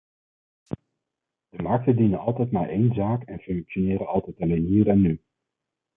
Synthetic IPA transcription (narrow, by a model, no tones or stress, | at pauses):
d̥əmɑɹk̚təndinənɑlˠtɛjtmaːɹʔejnzaːkɛnfɵŋkʃonɪːɾənɑlˠtɛjtɑlejnɦiːrɛnːy